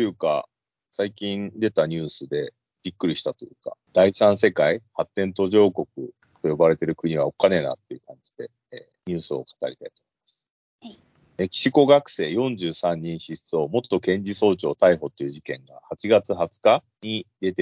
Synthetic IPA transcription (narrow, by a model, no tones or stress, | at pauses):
t̪ojɯ̟ːka̰ | saikʲĩnd̪e̞t̪aɲ̟ɨːsɨd̪e̞ | b̥ʲikːɯ̟ɾʲiɕi̥t̪at̪o̞jɯ̟ːka̰d̪̥aisãɰ̃s̬e̞kaihat̪ːẽ̞nt̪o̞ʑo̞ːko̞kɯ̟̰ | t̪o̞jo̞baɾe̞t̪e̞ɾɯ̟kɯ̟ɲ̟iβ̞ao̞kane̞na̰t̪ːe̞jɯ̟kãɲ̟d͡ʑid̪e̞ | ɲ̟ɨːsɨo̞̰kʰḁt̪a̰ɾʲit̪ai̥t̪oːmoimasɨ̥ | ekʲi̥ɕiko̞ɡakɯ̟̥se̞ːjõ̞ɲd͡ʑɨːsãɲ̟ːĩɰ̃ɕiɕi̥t͡sɨo̞mo̞t̪ːo̞kẽ̞ɲd͡ʑiso̞ːt͡ɕo̞ːt̪aiɦo̞t̪ːo̞jɯ̟ʑikẽ̞ŋɡa̰hat͡ɕiɡat͡sɨɦat͡sɨ̥ka | ɲ̟id̪e̞t̪e